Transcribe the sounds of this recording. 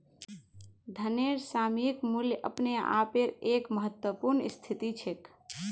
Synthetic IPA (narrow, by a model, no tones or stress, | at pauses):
d̪ʱəneɾsamikmuljʔə̰pnea̰peɾekməɦət̪wəpuɾnist̪ʰit̪it͡ʃʰek